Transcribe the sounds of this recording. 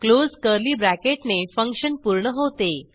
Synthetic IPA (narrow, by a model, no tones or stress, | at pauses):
klozkəɾliːbɾækeʈnefəŋkʂənpuɾɳəɦot̪e